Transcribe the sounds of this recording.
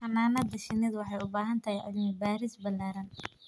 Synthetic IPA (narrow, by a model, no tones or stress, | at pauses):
ʔɐmaːmɐd̪ɐʃɪnɪðɐwɑħɑjʊbaːɦɐnt̪ʰɐɦɛjʔʊ̰ðɪŋʊbaːɾɪsbɐlːaːɾɐn